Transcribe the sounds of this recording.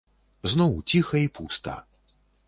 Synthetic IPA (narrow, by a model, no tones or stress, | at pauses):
znɔwt͡sʲixɐipust̪ɐ̰